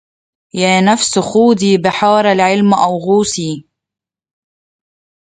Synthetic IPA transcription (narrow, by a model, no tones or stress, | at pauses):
jaːnafsxuːd̪iːbɪħɑːɾˤalʕɪlmʔawɣuːsiː